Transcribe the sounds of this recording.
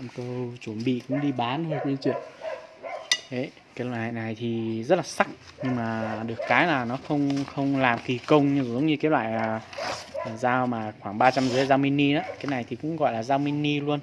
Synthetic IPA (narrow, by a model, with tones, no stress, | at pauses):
ŋ͡mkə˧wt͡ɕu˧˩nɓḭ˧˨kʊ̰˧˥ŋ͡mɗi˧ɓaː˨˦ntʰo˧ki˧˦t͡ɕwḭ˧˨ən | ʔə˨˦ | ke˨˦lwa̰ː˨ha̰ː˧˨jna˨˩jt̪ʰi˨˩zə˦˥t̚laː˨˩sa˦˥k̚ɲɨ˧ŋmaː˨˩ɗɨ˨˩əkːaː˨˦jlaː˨˩nɔ˨˦xə˧wŋ͡mxə˧wŋ͡mlaː˨˩mki˨˩kə˧wŋ͡mɲɨ˧zzə̰˨˦wŋ͡mɲɨ˧keː˨˦t̚lwa̰ː˧˨jaː˨˩˨ | zaː˧wmaː˨˩xwaː˧˩ŋɓaː˧t͡ɕa˧mzɨ˨˦za˧wmi˧ni˧naː˨˦kaː˨˦jna˨˩jt̪ʰi˨˩kʊ̰˧˥ŋ͡mɣɔ̰˧˨jlaː˨˩zaː˧wmi˧ni˧lu˧ən